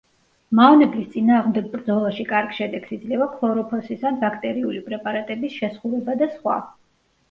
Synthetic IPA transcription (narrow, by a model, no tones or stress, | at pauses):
maɔnɛblist̪sʼinaːʁmd̪ɛɡ̚bɾd̪zɔlˠaʃikʼaɾɡʃɛd̪ɛɡsid̪zlɛvapʰlˠɔɾɔpʰɔsisanbakʰt̪ʼɛɾiulipʼɾɛpʼaɾat̪ʼɛbisʃɛsχuvɛbad̪asχwa̰